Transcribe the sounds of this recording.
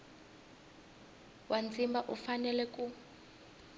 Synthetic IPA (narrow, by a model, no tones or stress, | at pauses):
wʔand͡zimbaʔufanɛlɛkʼu